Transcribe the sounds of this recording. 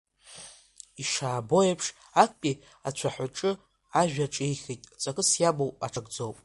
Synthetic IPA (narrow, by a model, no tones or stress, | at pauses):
iʂaːbo̞epʰʂ | ak̚ʷʰʼpʼi | at͡ɕʷʰaħʷaʈ͡ʂʼɨ | aʒᶣaʈ͡ʂʼejχʲijtʼt͡sʼakʼɨsjabowpʼa̰ʈ͡ʂʰaɡʼd͡zowpʼ